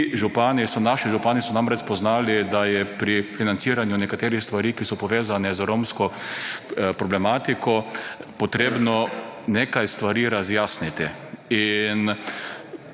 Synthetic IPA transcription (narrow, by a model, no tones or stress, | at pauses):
ʒupaːnisɔnaʃiʒupaːnisɔnamɾɛt͡ʃpɔznaːlid̪ajɛpɾifinant̪siːɾanjʊnɛkat̪eːɾixst̪ʋaɾiːkisɔpɔʋeːzanɛzɾomskɔ | pɾɔblɛmaːt̪ikʰɔpɔt̪ɾeːbnɔneːkajst̪ʋaɾiːɾazjaːsnit̪i | in